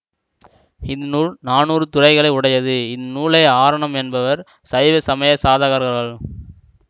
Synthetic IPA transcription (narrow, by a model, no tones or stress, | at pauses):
ɪnnuːɭnaːnuːɾɯt̪ʊrɐɪɣɐɭɐɪʊɽɐjɐðɯɪðnuːɭɐɪaːɾɐɳɐmɛnbɐʋɐɾ | sɐɪʋɐsɐmɐjɐsaːðaɣɐɾɣɐɾɣɐɭ